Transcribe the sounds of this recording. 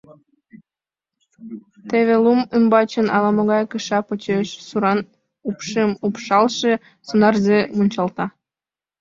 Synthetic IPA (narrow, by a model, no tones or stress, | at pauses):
t̪eβelˠumɯmbɑt͡ɕə̆nɑlɑmŏɣɑjkɯʃɑpot͡ɕeʃsuɾɑn | upʃemupʃɑlˠʃe | sonɑrzemunʲt͡ɕɑlt̪ɑ